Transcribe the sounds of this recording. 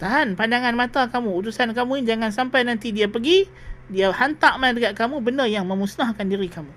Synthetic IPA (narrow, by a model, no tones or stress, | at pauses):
t̪aɦanpandaŋanmat̪akamũut̪usankamũind͡ʒaŋansampajnant̪idiapəɡi | diahant̪aʔmandəɡaʔ̪̚kamũbənəjaŋmə̃musnahkandiɾikamũ